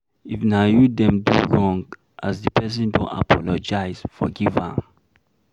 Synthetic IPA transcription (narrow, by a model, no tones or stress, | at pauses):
ifnajudɛ̃mduɹɔ̃ŋɡ | ʔasdipʰɛs̬ɛ̃ndõ̰nta̰pʰɔlɔd͡ʒaɪsfɔ̰ɡiva